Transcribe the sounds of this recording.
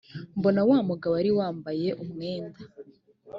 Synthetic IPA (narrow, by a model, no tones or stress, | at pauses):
mbo̞nawaːmuɡawaɾiwaːmbaje̞ʔumŋeːnda